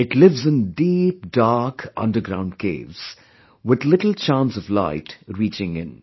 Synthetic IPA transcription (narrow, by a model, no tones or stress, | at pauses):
ɪʈlɪvzɨ̃ndiːp̚daɾkʰʌ̰̃ndə˞ɡɾãʊ̃nɖ̚kʰḛːvz̥ | wɪðlɪʈl̩t͡ʃãnsʌvlaɪʈɾiːt͡ʃɪ̃ŋɪ̰̃n